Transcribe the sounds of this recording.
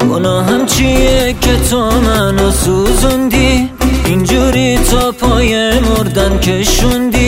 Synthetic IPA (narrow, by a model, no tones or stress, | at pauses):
onɔːɦæmt͡ʃʰiekʲʰet̪ʰomænɔsuzund̪i | ind͡ʒuɾit̪ʰɔːpʰɒːjemoɾd̪ænkʰeʃund̪i